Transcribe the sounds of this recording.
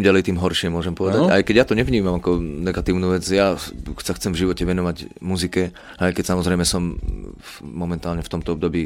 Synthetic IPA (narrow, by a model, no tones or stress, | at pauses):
mɟalɛjt̪iːmɦɔɾʃɪɛmʊɔʒɛmpɔʋɛd̪aajkɛɟjat̪ɔɲɛvɲiːmamakɔnɛɡat̪iːʊnuːʋɛd͡zjasaxt͡sɛmvʒiʋɔcɛʋɛnɔʋaɟmuzikɛ | ajkɛcsamɔzɾɛjmɛsɔmː | ɔmɛnt̪aːlɲɛft̪ɔmt̪ɔɔbd̪ɔbiː